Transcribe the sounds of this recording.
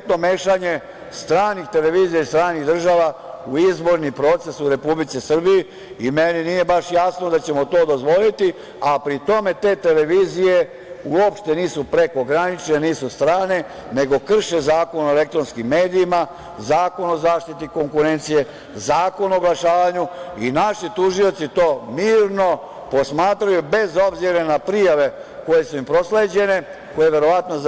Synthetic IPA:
t̪nomeːʃaɲe̞ | st̪ɾaːnixt̪e̞leʋiːzijaist̪ɾaːniɣd̪r̩ʒaʋauizbo̞ɾnipɾo̞ːt̪se̞suɾe̞publit̪sisr̩biji | imeninije̞baʃjasno̞d̪at͡ɕe̞mo̞t̪o̞ːd̪o̞zʋo̞lit̪i | apɾit̪o̞me̞t̪e̞ːt̪e̞le̞ʋiːzije̞ | uopʃt̪e̞niːsupɾe̞ko̞ɡɾanit͡ʃneniːsust̪ɾaːne̞ | ne̞ɡo̞kr̩ʃezaːko̞noele̞kt̪ɾo̞nskimːeːd̪iːma | zaːko̞nozaːʃt̪it̪iko̞ŋkuɾe̞nt̪sije̞ | zaːko̞noɡlaʃaːʋaɲuinaʃit̪uʒio̞t̪sit̪o̞ːmiːɾno̞ | po̞smaːt̪ɾajube̞zo̞bziɾenapɾijaʋe̞ | ko̞je̞suimpɾo̞sleːd͡ʑe̞ne̞ | ko̞je̞ʋe̞ɾo̞ʋat̪noz

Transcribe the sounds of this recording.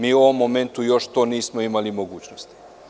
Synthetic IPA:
miːuoʋo̞mːome̞nt̪ujo̞ʃt̪oːniːsmoimalimoɡuːt͡ɕnost̪i̥

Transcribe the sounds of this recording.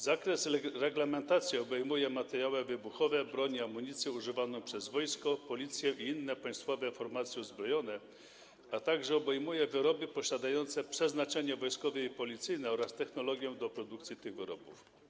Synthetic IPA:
zakɾɛsɾɛɡlɛmɛnt̪at̪sʲjiɔbɛjmujɛmat̪ɛɾjawɛvɘbuxɔvɛbɾɔɲiamːuɲit̪sʲjɛuʐɘvanɔ̃w̃pʂɛzvɔjskɔpɔlʲit̪sʲjɛʔiinːɛpaj̃st̪fɔvɛfɔɾmat̪sʲjɛuzbɾɔjɔnɛ | at̪aɡʐɛɔbɛjmujɛvɘɾɔbɘpɔɕad̪ajɔnt̪sɛpʂɛznat͡ʂɛɲɛvɔjskɔvɛipɔlʲit̪sɘjnɛɔɾast̪ɛxnɔlɔɡʲjɔ̃d̪ɔpɾɔd̪ukt̪sʲjit̪ɘɣvɘɾɔbuf

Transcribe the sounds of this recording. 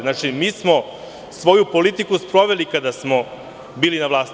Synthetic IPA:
naːt͡ʂimiːsmo̞ | sʋo̞jupo̞lit̪ikuspɾo̞ʋe̞likad̪asmo̞ | biːlinaʋlˠaːst̪

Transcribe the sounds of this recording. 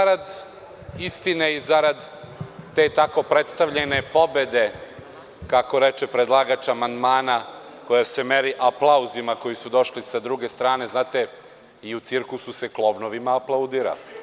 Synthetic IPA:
aɾad̪ | ist̪ineizaɾad̪ː | e̞ːt̪ako̞pɾet̪st̪aʋʎene̞po̞bed̪e̞ | kako̞ɾet͡ʃepɾed̪lˠaːɡat͡ʃaamand̪maːna | ko̞jasemeɾiʔaplˠauzimako̞jisud̪o̞ʃlisad̪ɾuɡe̞st̪ɾaːne̞znaːt̪e | iut̪siɾkususeklˠo̞bnoʋimaːplˠaud̪iːɾa̰li

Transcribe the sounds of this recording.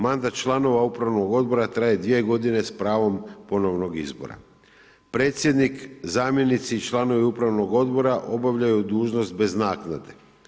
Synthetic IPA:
mand̪at̪t͡ʃlˠano̞ʋaupɾaʋno̞ɡo̞d̪bo̞ɾat̪ɾaje̞d̪ʋie̞ɡo̞d̪ine̞spɾaːʋo̞mpo̞no̞ʋno̞ɡizbo̰ɾa̰ | pɾe̞t̪sʲje̞d̪nikzaːmje̞nit̪sit͡ʃlˠano̞ʋiupɾaʋno̞ɡo̞d̪bo̞ɾaʔo̞baʋʎajud̪uːʒno̞st̪̚be̞znaːknad̪e̞

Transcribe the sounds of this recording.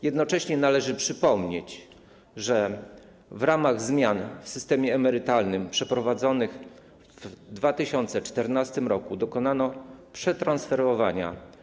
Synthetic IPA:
jɛd̪nɔt͡ʂɛɕɲɛnalɛʐɘpʂɘpɔmɲet͡ɕ | ʐɛ | vɾamaɣzmʲjanfsɘst̪ɛmʲjɛːmɛɾɘt̪alnɘmpʂɛpɾɔvad̪zɔnɘx | vd̪vat̪ɘɕɔnt̪sɛt͡ʂt̪ɛɾnast̪ɘmɾɔkud̪ɔkɔnanɔpʂɛt̪ɾansfɛɾvɔvaɲa̰

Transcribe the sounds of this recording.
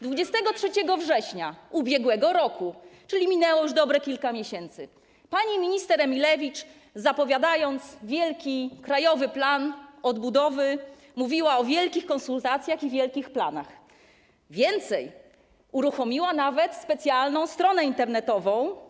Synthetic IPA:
d̪vud͡ʑɛst̪ɛɡɔtʂɛt͡ɕɛɡɔvʐɛɕɲaubʲjɛɡwɛɡɔɾɔkut͡ʂɘlʲimʲinɛwɔjuʐd̪ɔbɾɛkʲilkamʲjeɕɛnt̪sɘ | paɲimʲiɲist̪ɛɾɛmʲilɛvʲit͡ʂ | zapɔvʲjad̪ajɔnt̪svʲjɛlkʲikɾajɔvɘplanɔd̪bud̪ɔvɘ | muvʲiwaɔvʲjɛlkʲixkɔnsult̪at̪sʲjaxivʲjɛlkʲixplana̰x | vʲjɛnt̪sɛj | uɾuxɔmʲiwanavɛt̪spɛt̪sʲjalnɔ̃w̃st̪ɾɔnɛint̪ɛɾnɛt̪ɔvɔ̃w̃

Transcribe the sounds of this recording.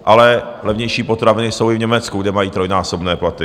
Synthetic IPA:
ʔalɛ | lɛvɲɛjʃiːpot̪ɾavɪnɪso̞wɪvɲɛmɛt͡skuɡdɛmajiːt̪ɾo̞jnaːsobnɛːplat̪ɪ

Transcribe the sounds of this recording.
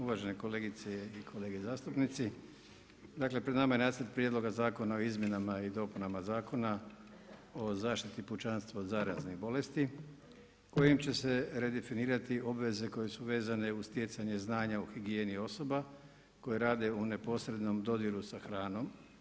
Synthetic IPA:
uʋaʒe̞neko̞leɡit̪seikʰo̞le̞ːɡizaːst̪upnit̪si | d̪akle̞pɾe̞d̪namajenaːsəɾt̪̚pɾje̞d̪lˠo̞ɡazaːko̞nao̞izmje̞namaid̪o̞ːpunamazaːko̞na | ozaːʃt̪it̪iput͡ʃanst̪ʋad̪zaɾazniɣbo̞le̞st̪i | ko̞jimt͡ɕe̞se̞ɾed̪efiniːɾat̪io̞bʋe̞ze̞ko̞je̞suʋe̞ːzane̞ust̪je̞t̪saɲe̞znaːɲauxiɡie̞ːnio̞so̞ba | ko̞jeɾaːd̪e̞une̞po̞sɾe̞d̪no̞md̪o̞d̪jiɾusaxɾaːno̞m

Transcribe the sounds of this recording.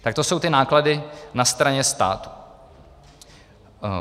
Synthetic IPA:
t̪ak̚t̪o̞so̞wt̪ɪnaːkladɪnast̪ɾaɲɛst̪a̰ːt̪u̥

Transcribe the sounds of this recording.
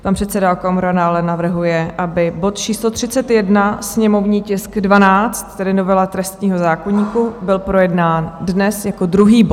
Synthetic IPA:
panpr̥ɛt̪sɛdaokomoɾanaalɛnavr̩ɦujɛʔabɪbo̞t̪t͡ʃiːslot̪r̝̥ɪtt͡sɛt̪jɛdnasɲɛmo̞vɲiːcɪskdvanaːt͡st̪ːɛdɪno̞vɛlat̪ɾɛst̪ɲiːɦo̞zaːko̞ɲiːkubɪlpɾo̞jɛdnaːndnɛsjako̞d̪ɾuɦiːbot̪

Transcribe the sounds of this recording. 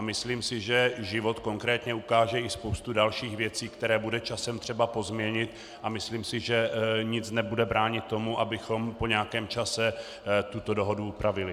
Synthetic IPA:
ʔamɪsliːmsɪʒɛʒɪvo̞t̪ko̞ŋkɾɛːt̪ɲɛukaːʒɛɪspowst̪udalʃiːxvjɛt͡siːkt̪ɛɾɛːbudɛt͡ʃasɛmt̪r̥ɛbapo̞zmɲɛɲɪt̪ | ʔamɪsliːmsɪʒɛɲɪt͡snɛbudɛbɾaːɲɪt̪ːo̞muʔabɪxo̞mpo̞ɲɛakɛːmt͡ʃasɛ | t̪ut̪o̞do̞ɦo̞duupɾavɪlɪ

